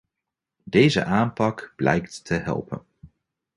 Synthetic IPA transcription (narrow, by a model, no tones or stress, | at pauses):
dejzə̰ʔaːmpɑkb̥lɛ̰jktːəɦɛ̰lˠpə̰n